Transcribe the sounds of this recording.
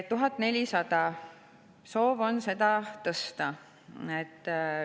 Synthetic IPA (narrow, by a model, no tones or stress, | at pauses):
t̪ːuɦɑt̪ːˑne̞lʲisɑd̪ɑ | so̞ːvo̞nse̞d̪ɑt̪ɤst̪ɑ | et̪ˑː